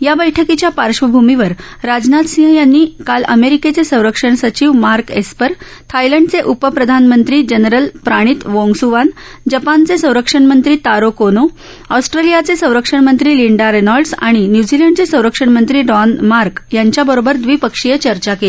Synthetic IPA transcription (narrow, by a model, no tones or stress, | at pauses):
jabəjʈʰəkit͡ɕjapaɾʂʋəbʱumiʋəɾ | ɾad͡znat̪sĩɦəjanːiːkalə̰meɾiket͡sesə̃w̃ɾəkʂəɳ̃sət͡ɕiːʋmaɾkespəɾ | t̪ʰajləɳɖt͡seʔupəpɾəd̪ʱanmənt̪ɾiːd͡ʑənɾəlpɾaɽ̃iːt̪ʋoŋɡsuʋan | d͡ʑəpant͡sesə̃w̃ɾəkʂəɳmənt̪ɾiːt̪aɾokono | ɔsʈɾelijat͡sesə̃w̃ɾəkʂəɳmənt̪ɾiːliɳɖaɾenɔlɖsa̰ɽ̃injud͡ʑileɳɖt͡sesə̃w̃ɾəkʂəɳmənt̪ɾiːɖɔnmaɾkjaɲt͡ɕjabəɾobəɾd̪ʋiːpəkʂijət͡ɕəɾt͡ɕakeli